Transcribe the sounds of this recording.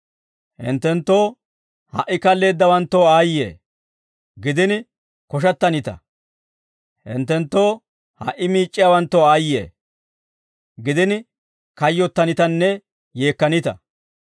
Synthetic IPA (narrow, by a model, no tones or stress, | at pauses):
hɪ̰nt̪ːɛnt̪ːo̞ː | hɐ̰ʔɪkɐlːe̞ːd̪ːɐwɐnt̪ːoːaːjːḛː | ɡɪd̪ɪnɪ | kɔʃ̬ɐt̪ːɐnɪt̪ɐ̰ | hɪ̰nt̪ːɛnt̪ːo̞ː | hɐ̰ʔːɪmiːt͡ʃʼːɪjawɐnt̪ːoaːjḛː | ɡɪd̪ɪnɪ | kɐjːɔt̪ːɐnɪt̪ɐnːɛ | je̞ːkːɐnɪt̪ɐ̰